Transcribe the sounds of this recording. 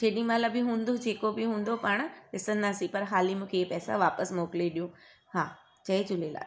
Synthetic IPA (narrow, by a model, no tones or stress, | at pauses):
t͡ɕeːɗĩmaːləbʱɪɦũːnd̪od͡ʑʱeːkobɪɦũːnd̪opaːɽ̃ɗɪsə̃nd̪aːsĩpɐɾɦaːlimũːkʰepɛːsa̰ʋaːpəsmoːkleɗijũː | haː | t͡ɕɐed͡ʑʊleːla̰ː